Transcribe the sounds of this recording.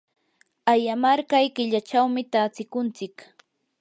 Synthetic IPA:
ajamaɾkajkɪʎat͡ʃawmɪt̪aːt͡sɪkʊnt͡sɪk

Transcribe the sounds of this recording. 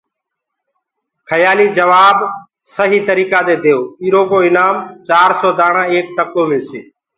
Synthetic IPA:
kʰəjaːliːd͡ʒəʋaːb | səɦiːt̪əɾiːkaːd̪eːd̪ʱeːoːiːɾoːɡoːɪnaːmt͡ʃaːɾsoːd̪aːɽãːeːk̚t̪əkoːmɪlseː

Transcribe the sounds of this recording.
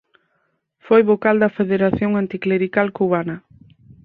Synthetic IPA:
fojβokald̪ɐfeðeɾaθjoŋant̪ikleɾikalkuβ̞anɐ

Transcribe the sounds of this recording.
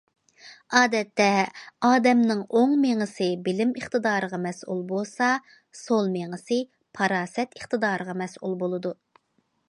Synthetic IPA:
ɑːd̪ɛt̪ːɛɑːd̪ɛmnɪŋoŋmeŋɨsɨbɪlɪməχt̪ɨd̪ɑːɾəʁɑmɛsṵlˠbosɑ | solˠmeŋɨsɨ | pʰɑɾɑːsɛt̪əχt̪ɨd̪ɑːɾəʁɑmɛsṵlˠbolˠɨd̪u

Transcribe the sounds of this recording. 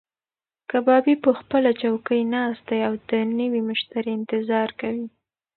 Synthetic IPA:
kabɑbipəxpəlat͡ʃawkəjnɑs̚d̪ajawd̪ənəwimʊʃt̪aɾeɪnt̪ɪzɑɾkawi

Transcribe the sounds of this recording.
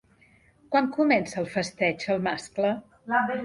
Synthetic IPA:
kwaŋkumɛnsəːlˠfəst̪ɛd͡ʒəlˠmasklə | lae

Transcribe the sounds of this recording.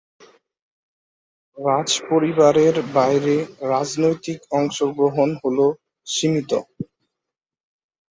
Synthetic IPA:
ɾad͡ʑpoɾibaɾeɾbajɾeɾad͡ʑnojt̪ikɔŋʃoɡɾoɦonɦolo | ʃimit̪o̰

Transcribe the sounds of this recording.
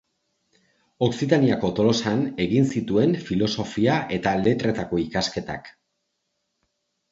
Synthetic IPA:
o̞ksit̪aniako̞t̪o̞lo̞sane̞ɣinsit̪ue̞nfilo̞so̞fiaʔe̞t̪ale̞t̪ɾe̞t̪ako̞ikaske̞t̪a̰k

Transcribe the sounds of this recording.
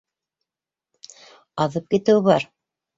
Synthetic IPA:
ɑðɤp̚kit̪ɘwβɑɾ

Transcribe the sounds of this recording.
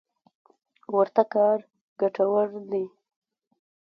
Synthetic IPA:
wəɾt̪akɑːɾ | ɡaʈawaɾd̪i

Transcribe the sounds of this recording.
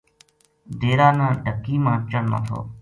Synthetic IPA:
d̪eːɾaːnãːɖʱəkiːmãːt͡ʃəɳno̰ːt̪ʰo̰ː

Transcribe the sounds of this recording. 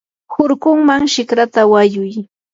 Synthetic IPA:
hʊɾkʊŋmaŋʃɪkɾat̪awajʊj

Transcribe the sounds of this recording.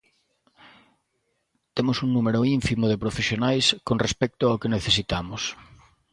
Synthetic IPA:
t̪emʊsuŋnumeɾʊiɱfimʊðepɾofesjonajskonrespɛk̚t̪ʊaokeneθesit̪amʊs

